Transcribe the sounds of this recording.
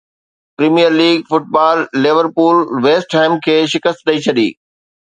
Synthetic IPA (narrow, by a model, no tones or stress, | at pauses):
pɾiːmijəɾliːɡfʊʈ̚baːlːɪʋəɾpuːɾʋeːsʈʈʰaːɪmkʰeːʃɪkəst̪̚ɗ̪ɐit͡ɕʰɐɗḭː